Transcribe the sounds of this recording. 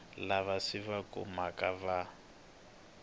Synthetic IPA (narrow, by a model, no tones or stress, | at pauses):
laβasiβakṵmakʼaβa